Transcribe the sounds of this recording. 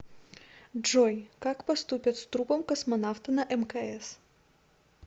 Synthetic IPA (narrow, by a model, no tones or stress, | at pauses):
ʐɔjkakpɐst̪upʲɐt̪st̪ɾupɔmkɐsmɐnaft̪ɨnɐʔɛmkɐɛs